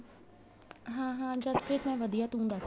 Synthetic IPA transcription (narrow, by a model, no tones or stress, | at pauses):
ɦãːɦãːd͡ʒəskeːt̪mɛ̃ːʋəd̪ijaːt̪ũːnd̪aː